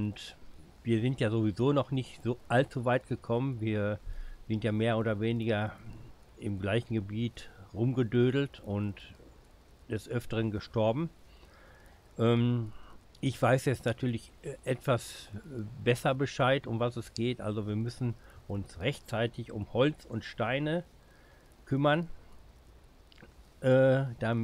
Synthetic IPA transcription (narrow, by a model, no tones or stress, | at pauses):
ʊnt | viːɐzɪntjaːzovizoːnɔχnɪçtz̥oːʔaltt͡suvaɪtɡ̥əkʰɔmənviːɐz̥ɪntjaːmeːɐʔoːdɐveːnɪɡɐ | ɪmɡlaɪçn̩ɡəbiːtʁʊmɡədøːdl̩tʊnt | d̥ɛsʔœftəʁ̞ənɡəʃtɔɐbm̩ | ʔɛːm | ʔɪçv̥aɪsjɛt͡stnatʰyːɐlɪçʔɛtv̥as | bɛsɐbəʃaɪtʊmvasɛsɡ̥eːtʔa̰lzoviːɐmʏsn̩ʔʊnsʁɛçt͡saɪtʰɪçʊ̰mhɔlt͡sʊntʃtaɪnə | kʰʏmɐn | ʔɛːd̥a